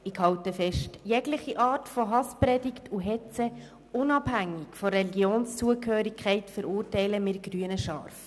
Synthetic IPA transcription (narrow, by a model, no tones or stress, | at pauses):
ɪkhɑwtəfɛʃtjɛɡlɪχiʔɑːtfɔɦɑsprɛdɪktʰuɦɛt͡sə | ʊnɑbhæŋːɪkfɔɾɛliɡjoːnst͡suəkhøːɾikʰχɛɪtfəɾʊːrtɛɪləmɪːɾɡ̥ryənəʃɑːrf